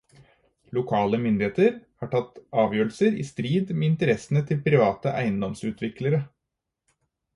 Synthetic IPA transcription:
lʊkʰɑːləmʏnd̪ɪeːt̪əɾhɑːʈʰɑt̪ːɑːʋjøːɾl̩səɾḭːst̪ɾiːd̪meɪnt̪əɾɛsnət̪ʰɪlpʰɾɪʋɑːt̪əʔæɪənd̪ɔmsʉːt̪ʰʋɪkləɾə

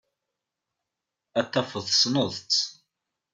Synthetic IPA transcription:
æt̪ːæfəðˤsnəðˤt͡s

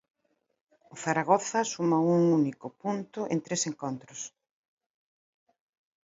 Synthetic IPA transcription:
ʊθaɾaɣ̞oθɐsumauŋunikʊpunt̪ʊʔent̪ɾeseŋkont̪ɾʊs

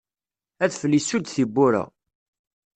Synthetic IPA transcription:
æθfəlːisud̪θibːuɾa̰

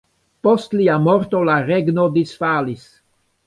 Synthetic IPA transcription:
post̪liamɔɾt̪olaɾeɡnod̪isfaːlis

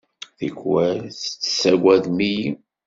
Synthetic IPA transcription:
θikwæθt͡sːsːæɡʷæðmiji

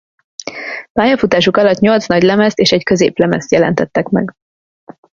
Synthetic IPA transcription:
paːjɒfut̪aːʃukɒlɒt̪ɲo̞lt̪snɒɟlɛmɛst̪eːʃɛɟkø̞zḛːplɛmɛ̰st̪jɛlɛ̰nt̪ɛt̪ːɛkmɛ̰ɡ

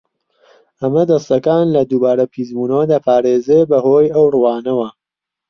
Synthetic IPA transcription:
ɐmɐd̪ɐst̪ɐkaːnlɐd̪ubaːɾɐpʰiːzbuːnɐwɐd̪aːpʰaːɾeːzebɐhoːjɐwrwaːnɐwɐ

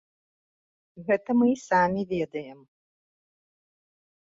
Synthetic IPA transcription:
ɣɛt̪ɐmɨsamʲivʲɛd̪ɐjɛm

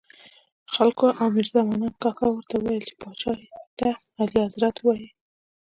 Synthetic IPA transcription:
xalkoʔawmɪɾzamanɑnkɑkɑwəɾt̪awwajəlt͡ʃe̥pɑt͡ʃɑet̪a | aliazɾat̪wɑji

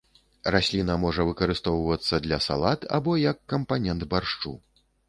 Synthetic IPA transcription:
rasʲlʲinɐmɔʐɐvɨkɐɾɨst̪ɔwvɐt̪sːɐd̪lʲɐsa̰lˠat̪a̰bɔjɐkːɐmpanʲɛnd̪barʂt͡ʂṵ

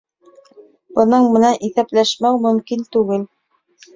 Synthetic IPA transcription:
bɤ̆nɤɴmɤ̆nænʔiθæplæʃmæwmɵ̆mkint̪ʉɡɘl

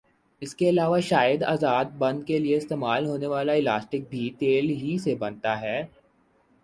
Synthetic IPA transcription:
ɪskeɐlaːʋaʃaːjəd̪a̰ːzaːd̪̚bɐ̃nd̪̚kelieɪst̪eːmaːlɦoːneʋaːlaɪlaːsʈɪk̚bʱit̪eːlɦisebɐ̃nt̪aɦɛː

